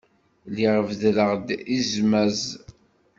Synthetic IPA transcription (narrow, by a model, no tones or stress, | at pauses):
liʁəvðləʁd̪izmæz